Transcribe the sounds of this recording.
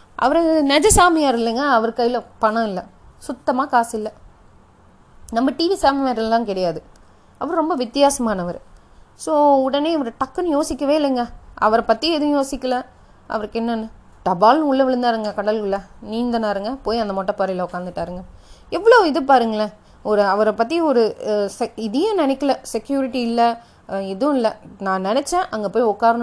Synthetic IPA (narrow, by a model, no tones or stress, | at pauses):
ʔɐ̰ʋɐɾnɛd͡ʒɐsaːmɪjaːɾɪlːɐŋɡɐːʋɐɾkɐjɪlɐpɐɳɐ̃ɪlːɐ | sʊt̪ːɐmaːkaːsɪlːɐ | nɐmːɐʈiːʋisaːmiʋaːɾɐllãːŋkɪɽɐjaːðɯ | ɐʋɐɾɾɔmbɐʋɪt̪ːɪjaːsɐmaːnɐʋɐɾ | soːʊɽɐneːʋɐɾɯʈɐkːɐnɯjoːsɪkʲːɐʋeːɪlːɐŋɡɐɐ̰ʋɐɾɐpɐt̪ːijɐɛðɯ̃joːsɪkːɐlɐ̃ | ʔɐ̰ʋɐɾɯkːɛnːɐnːɯ | ɖ̥ɐbaːlnɯʊɭːɐʋɪɭɯnd̪aːɾɯŋɡɐkɐɽɐlkɯɭːɐniːnd̪ɐnaːɾɯŋɡɐpoːjiɐnd̪ɐmɔʈːɐpɐɾɐɪlɐʊkːaːnd̪ɯʈːaːɾɯŋɡɐɛʋːɐɭoːɪðɯp̬aːɾɯŋɡɐɭɐ | ɔɾɯɐʋɐɾɐpːɐt̪ːiɔɾɯsɛɪðɐjɐ̃nɛnɛkːɐlɐsɛkjuːɾɪʈːiɪlːɐ | ɛðɯʊ̃ɪlːɐnãːnɛnɛt͡ʃːɛ̃ʔɐŋɡɐpoːjiɔkːaːɾɐñ